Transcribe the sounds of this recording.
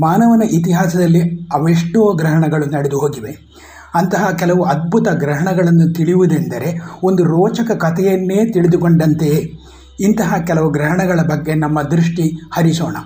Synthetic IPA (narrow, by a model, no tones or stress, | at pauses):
maːnɐʋɐnɐʔit̪iɦaːsɐd̪ɐlːiɐʋeʂʈoːɡɾɐɦɐɳɐɡɐɭunɐɽed̪uɦoːɡiʋe̞ | ɐnt̪ɐɦɐkɛlɐʋuʔɐd̪̚bʱut̪ɐɡɾɐɦɐɳɐɡɐɭɐnːut̪iɭiʋud̪end̪ɐɾe̞o̞nd̪uɾɔːt͡ʃɐkɐkɐt̪ʰɛjɐnːe̞ːt̪iɭid̪ukoɳɖɐnt̪e | int̪ɐɦɐkɛlɐʋuɡɾɐɦɐɳɐɡɐɭɐbɐɡːe̞nɐmːɐd̪ɾuʂʈihɐɾisɔːɳɐ